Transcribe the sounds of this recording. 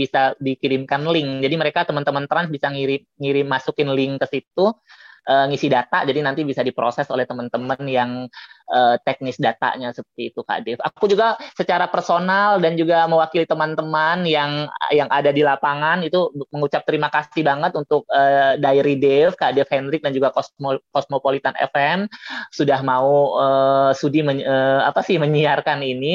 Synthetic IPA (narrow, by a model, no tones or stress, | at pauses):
bisadikiɾɪmkanlɪŋd͡ʒadiməɾekat̪əmant̪əmənt̪ɾansbisaŋiɾɪmŋiɾɪmːasukɪnlɪŋkəsit̪uʔəːŋisidat̪a̰ʔd͡ʒadinant̪ibisadipɾosɛsolɛht̪əmənt̪əmənjaŋəːt̪ɛk̚nɪsdat̪a̰ʔɲasəpərt̪iːt̪uka̰dɪfa̰kud͡ʒuɡasət͡ʃaɾapərsonaldand͡ʒuɡaməwakilit̪əmant̪əmanjaŋjaŋʔadadilapaŋanit̪uməŋut͡ʃap̚t̪əɾimakassibaŋət̪unt̪ʊk̚ədaiɾidɛfkaʔdɛfhɛndɾɪk̚dand͡ʒuɡakosmkosmopolit̪anɛ̰fɛmsudahmauəsudiməəa̰pasɪhməɲiarkanini